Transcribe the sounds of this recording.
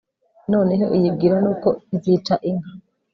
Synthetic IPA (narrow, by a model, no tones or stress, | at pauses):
no̞ːneɦoʔijib̚ɡiːɾanuːko̞izit͡ʃaʔiŋɡa